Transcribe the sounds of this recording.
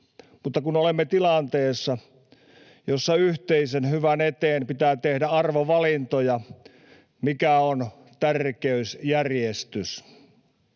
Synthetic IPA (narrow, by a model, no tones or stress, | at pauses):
mut̪ːɑkunolemːet̪ilɑnt̪eːsːɑ | josːɑyht̪eisenhyʋænet̪eːnpit̪æːt̪ehdæɑrʋoʋɑlint̪ojɑ | mikæon | t̪ærkeysjærjest̪ys